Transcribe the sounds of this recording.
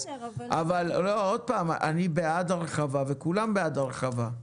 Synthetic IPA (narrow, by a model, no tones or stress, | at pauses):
ʔavallood̪̚paːma̰nibead̪aʁeχavavekulambead̪aʁeχava